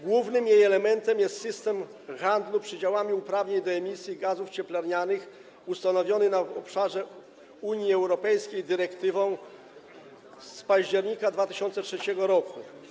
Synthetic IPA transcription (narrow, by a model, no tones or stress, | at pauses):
ɡwuvnɘmjejɛlɛmɛnt̪ɛmjɛst̪sɘst̪ɛm | xand̪lupʂɘd͡ʑawamʲiupɾavɲejd̪ɔɛmʲisʲjiɡazuft͡ɕɛplaɾɲanɘx | ust̪anɔvʲjɔnɘnavɔpʂaʐɛ | uɲjiɛwɾɔpɛjskʲejd̪ɘɾɛkt̪ɘvɔ̃w̃ | spaʑd͡ʑɛɾɲikad̪vat̪ɘɕɔnt̪sɛtʂɛt͡ɕɛɡɔɾɔku